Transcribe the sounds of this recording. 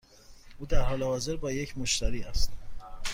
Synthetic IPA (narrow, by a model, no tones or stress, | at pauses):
ʔuːd̪æɾhɒːlehɒːze̞ɾbɒːje̞cʰmoʃt̪ʰæɾiːæst̪